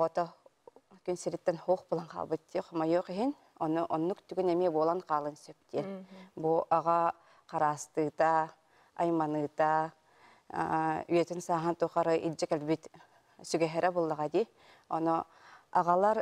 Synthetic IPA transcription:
ɔɔt̪ɔ | kynsiɾit̪ːɛnhuːχbɯlˠanqa̰ːlˠbɯt̪̚d̪ʲiɛqɔmajuːqiɦin | ɔnuʔɔnːukt̪yɡynɛmiɛbuɔlˠanqaːlˠɯnsœp̚t̪ʲiɛnbuʔaʁa | qaɾaːst̪ɯːt̪aː | jmanɯːt̪a̰ | y̰jɛt̪ynsaːɦant̪uːχaɾɯʔild͡ʑɛkɛlbit̪ | syɡɛɦɛɾʔɛbulˠːaʁad̪iː | ɔ̰nɔ | aʁalˠaɾ

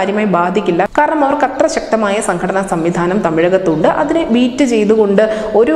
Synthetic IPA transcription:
aːɾjɐmaːjbaːd̪ʱikʲːilːɐkaːɾɐɳɐmɐʋɐrkɐt̪rɐɕɐk̚t̪ɐmaːjɐsɐŋɡʰɐɽɐnɐsɐmʋid̪ʱaːnɐmt̪ɐmiɻɐɣɐt̪ːuɳɖɨʔɐ̰ðineʋiːtːɨt͡ɕe̞jt̪uɣo̞ɳɖɨ | o̞ɾu

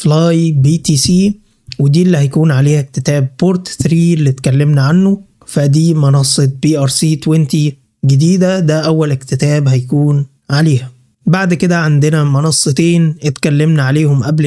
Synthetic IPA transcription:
flɑːjbiːt̪iːsiː | wed̪iːelːihæjkuːnʕaleːhæk̚t̪et̪æːb̚poɾt̪t̪ɾiːelːit̪kælːemnæʕanːo | fæd̪iːmɑnɑsˤːet̪̚biːʔɑɾˤsiːt̪went̪i | ɡed̪iːd̪æd̪æʔæwːælekt̪et̪æːbhæjkuːn | ʕaleːhæ | baʕd̪ked̪æʕand̪enæmɑnɑsˤːɨt̪eːnʔet̪kælːemnæʕaleːhomʔæbl

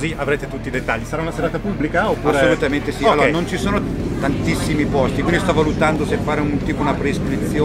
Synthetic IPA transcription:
ziʔavɾeːt̪et̪ut̪ːiːd̪et̪ːaʎːisaɾaunaseɾaːt̪apublikaopːaɾesolut̪ament̪esialːoːɾanont͡ʃisoːnot̪ant̪isːimipɔst̪ikwind̪ist̪ɔvːalut̪and̪osefaːɾeunt̪iːpounapɾeiskɾit̪sːjoː

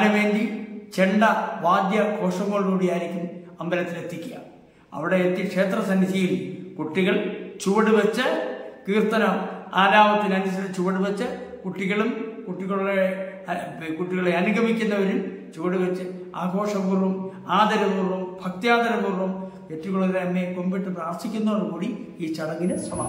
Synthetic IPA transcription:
anuʋe̞ːndit͡ɕe̞ɳɖɐʋaːd̪jɐɡʱo̞ːʂɐmːɐɭnuːɽijaːjiɾikʲːumɐmbɐɾɐt̪ːilet̪ːikʲːuɣɐ̰m | ɐ̰ʋiɽe̞et̪ːikʂe̞ːt̪rɐsɐnːisijilkuʈːiɣɐɭt͡ɕuʋɐɽuʋɐt͡ɕːɨkiːrt̪ɐnɐmaːɾaːʋɐt̪ːinɐndɐsiɾt͡ɕuʋɐɽuʋɐt͡ɕːɨkuʈːiɣɐɭumkuʈːiɣɐɭue | kuʈːiɣɐɭeɐnuɡʱɐmikʲːunːɐʋɐɾum | t͡ɕuʋɐɽuʋɐt͡ɕːɨ | aːɡʱo̞ːʂɐkuːrʋum | aːd̪ɐɾɐkuːrumbʱɐk̚t̪ijaːd̪ɐɾɐkuːrum | et̪ːɾikːoɭɐðleɐmːejko̞mbiʈːɨpraːrsikʲːunːɐʋɐrkuːɽi | iːt͡ɕɐɽɐŋɡinɨsɐmaː

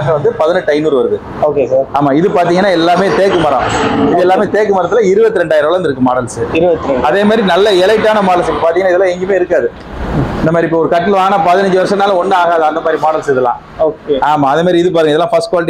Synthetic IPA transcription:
kɐʋɐnd̪ɯpɐðɪnɯʈːɐɪnuːɾɯʋɐɾɯðɯ | oːkesaːɾaːmaːɪðɯpaːɾt̪iːŋɡɐnːaːɛlːaːmeːt̪eːkːɯmɐɾɐ̰̃ɪðɯɛlːaːmeːt̪eːkːɯmɐɾɐt̪ːɪlɐɪɾɯbɐt̪ːɯɾɛɳɖaːjɪɾɐʋɭɐnd̪ɯɾɯkːɯmaːɽɐlsɯɪɾɯʋɐt̪ːɾɛɳɖɐðeːmaːdɾinɐlːɐɛlɐɪʈːaːnɐmaːɽɐlsɪpːɐpaːɾt̪iŋɐnːɪðɛlaːɛŋɡɐmeːɪɾɯkːaːðɯ | ɪnd̪ɐmaːɾiɪpːoːɔɾɯkɐʈːɪlʋaːɡnaːpɐðɪnɐɲd͡ʒɯʋɐɾɐʂ̬ɐnːaːlɔnːɯaːɣaːðɯɐnd̪ɐmaːdɾimaːɽɐlsɪðɯlã̰ː | oːkeaːmaːðeːmaːɾiɪðɯp̬aːɾt̪iːŋɐɪðɛlːãːfɐsʈkwaːlɪʈ

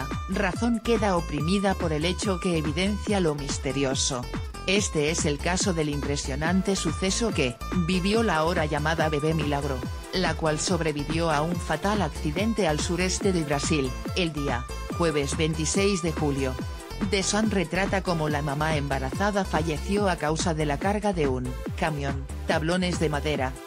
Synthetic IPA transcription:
raθo̞ŋke̞ðaopɾimiðapo̞ɾe̞le̞t͡ʃo̞ke̞ːβ̞iðẽ̞nθjalo̞mist̪e̞ɾjo̞so | e̞st̪e̞e̞se̞lkaso̞ðe̞limpɾe̞sjo̞nant̪e̞suθe̞so̞ke̞ | biβjo̞laoɾaʎamaðaβe̞βe̞milaɣ̞ɾo̞ | lakwalso̞βɾe̞βiβjo̞auɱfat̪alakθiðe̞nt̪e̞alsuɾe̞st̪e̞ðeβɾasileld̪ia | xweβ̞e̞zβe̞nt̪isejzðe̞xuljo | d̪e̞sanre̞t̪ɾat̪ako̞molamamaembaɾaθaðafaʝe̞θjo̞akawsaðe̞lakaɾɣaðe̞unkamjõn | t̪aβlo̞ne̞zðe̞maðe̞ɾa

